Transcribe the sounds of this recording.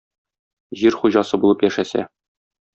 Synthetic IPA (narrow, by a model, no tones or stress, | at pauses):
ʑiɾχuʑɑsɤbulˠɤpjæʃæsæ̰